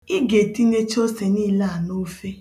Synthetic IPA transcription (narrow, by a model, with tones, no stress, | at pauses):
ɪ˦ɡe˨ti˦ne˦t͡ʃo˦se˨ni˦la˦˨a˨no˦fe˦